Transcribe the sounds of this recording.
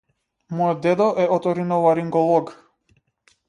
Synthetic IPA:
mɔjɔd̪ɛd̪ɔʔɛɔt̪ɔɾinɔvaɾiŋɡɔlˠɔɡ

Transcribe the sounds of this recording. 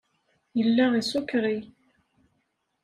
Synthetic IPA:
jəlːæisukɾi

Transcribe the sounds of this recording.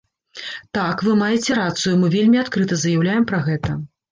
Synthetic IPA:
t̪akvɨmajɛt͡sʲɛɾat̪sɨjumɨvʲelʲmʲiat̪kɾɨt̪ɐzɐjawlʲajɛmpɾɐɣɛt̪ɐ

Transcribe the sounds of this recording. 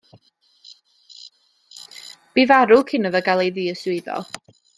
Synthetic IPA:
b̥iːvaɾʊkʰɪnəðɔɡalˠejðiːəswɪðɔ̰lˠ

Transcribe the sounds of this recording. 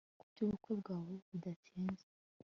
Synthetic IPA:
kubɟuβukwe̞bɡaːwoβudatiːnze̥

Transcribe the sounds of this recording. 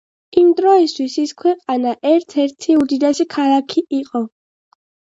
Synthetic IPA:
imd̪ɾɔist̪ʰwisiskʰwɛqʼanaʔɛɾt̪ʰɛɾt̪ʰiud̪id̪ɛsikʰalˠakʰiʔiqʼɔ

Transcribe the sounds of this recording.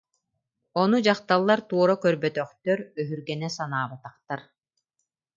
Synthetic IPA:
ɔnud͡ʑaχt̪alˠːaɾt̪uɔɾakœɾbœt̪œχt̪œɾœɦyɾɡɛnɛsanaːbat̪aχt̪aɾ

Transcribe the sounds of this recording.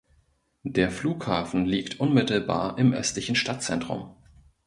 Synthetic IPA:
d̥eːɐfluːkhaːfn̩liːktʰʔʊnmɪtl̩ba̰ːɐʔɪmʔœ̰stlɪçn̩ʃtat̚t͡sɛ̰ntʁ̥ʊ̰m

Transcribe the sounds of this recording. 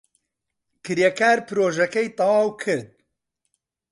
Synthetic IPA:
kɨɾjɛkʰaːɾpɨɾoːʒɐkɐjt̪ˤɐwaːwkʰɨɾd̪̚

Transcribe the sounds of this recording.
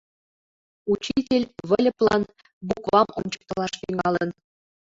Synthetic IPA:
ut͡ɕitʲelʲβɘ̆lʲɤ̆plˠɑn | bukβɑmo̰nʲt͡ɕɤ̥̆k̚t̪ɤ̆lˠɑʃt̪yŋɑlˠə̆n

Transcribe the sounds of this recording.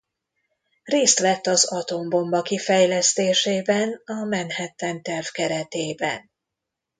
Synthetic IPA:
reːst̪lɛt̪ːɒzɒt̪o̞mbo̞mbɒkifɛjlɛst̪eːʃeːbɛnɒmɛnhɛt̪ɛnt̪ɛrvkɛɾɛt̪eːbɛ̰n

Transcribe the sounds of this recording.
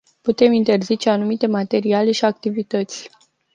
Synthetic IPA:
put̪e̞mint̪e̞rzit͡ʃe̞anumit̪e̞mat̪e̞ɾiale̞ʃiak̚t̪ivit̪ət̪sʲ

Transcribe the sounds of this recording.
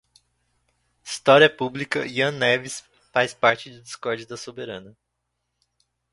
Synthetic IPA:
ist̪ɔɾiɐpublikɐ̰ʔiɐ̃nɛvis | fajspaɾt͡ʃɪd̪ʊd͡ʒɪskɔɾd͡ʒɪd̪ɐsobeɾɐ̃nɐ

